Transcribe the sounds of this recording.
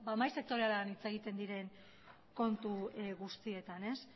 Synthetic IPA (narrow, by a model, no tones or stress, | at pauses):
bamajse̞k̚t̪o̞ɾe̞alanit͡se̞ɣ̞it̪e̞nd̪iɾe̞ŋ | ko̞nt̪uɣust̪ie̞t̪ane̞s